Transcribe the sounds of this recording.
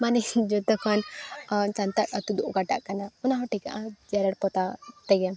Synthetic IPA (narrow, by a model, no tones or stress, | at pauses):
manɛd͡ʒɔt̪ɔkʰan | t͡ʃant̪akat̪ud̪uʔɡaʈa̰ʔkanaunaɦɔʈika̰ʔãd͡ʒɛɾaɽpɔt̪at̪ɛɡɛm